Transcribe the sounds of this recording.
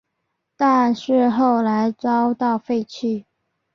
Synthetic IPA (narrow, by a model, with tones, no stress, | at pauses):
t̪a˥˧nʂɻ̩˥˧xo˥˩ʊla˧˥ɪt͡sɑ˥ʊt̪ɑ˥˩ʊfe˥˧ɪt͡ɕʰy˥˩